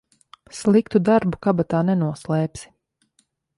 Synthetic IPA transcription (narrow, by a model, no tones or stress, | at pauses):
slˠikt̪ud̪aɾbukabat̪aːnɛnuɔslˠɛːpsi̥